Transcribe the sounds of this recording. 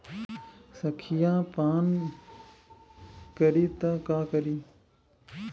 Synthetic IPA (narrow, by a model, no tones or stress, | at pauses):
sɐkʰijãːpaːn | kəɾiːt̪ɐkaːkɐɾiː